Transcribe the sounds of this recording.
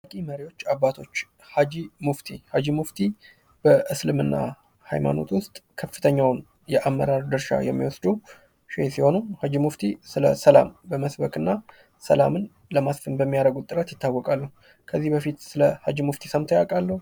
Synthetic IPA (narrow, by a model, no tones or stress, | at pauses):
akʼiməɾiwo̞t͡ʃːabːat̪ʰo̞t͡ʃː | had͡ʒimuft̪ʰihad͡ʒimuft̪ʰi | b̥əʔɨslɨmɨnːa̰ | ha̰jma̰no̞̰t̪wʊst̪ʼkʰəfːɨ̥t̪ʰəɲːawʊn | jɛʔamːə̰ɾaɾd̪ɨɾʃa̰jɛmːiwɔsd̪u | ʃesiho̞nuhad͡ʒimuft̪ʰisɨləsəla̰mbəməsbəkɨnːa | sə̰lamɨn | ləmasfɨnbəmːijaɾəɡut̪ʼːɨɾət̪jɪt̪ʰːawːɔkʼalːuh | kʰəzːihbəfit̪sɨləha̰d͡ʒimuft̪ʰisəmt̪ʰəjakʼalːəh